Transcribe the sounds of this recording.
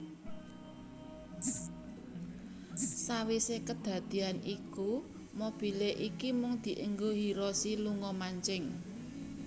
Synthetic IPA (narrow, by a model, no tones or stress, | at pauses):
sawisekəd̪̥a̤d̪̥i̤aniku | mob̥i̤leʔikimʊŋd̪̥i̤ʔəŋɡoɦiɾɔsiluŋɔmaɲt͡ʃɪŋ